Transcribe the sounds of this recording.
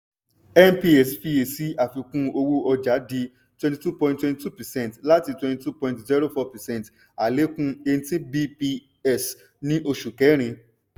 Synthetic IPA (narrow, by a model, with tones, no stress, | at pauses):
ɛ˦npi˧ɛ˨sfi˧e˨si˦a˨fi˧kũ˦o˧wo˦ʔɔ˧d͡ʒa˨˦di˧ | twɛ̃˧nti˧˨tu˦˨pɔ̃˧ĩntwɛ̃˧nti˦tu˦˨pɛ˨sɛ̃˦˨n˨tla˦ti˧twɛ̃˧nti˨˧tu˦pɔ̃˧ĩntzɛ˦ɾo˦˨fɔ˧pɛ˨sɛ̃˦˨n˨t | a˨le˨˦kũ˦e˧ñ̩˦tĩ˦bi˧pi˧ | ɛ˦˨s | nĩ˦ʔo˧ʃu˨kɛ˨˦ɾ̃ĩ˧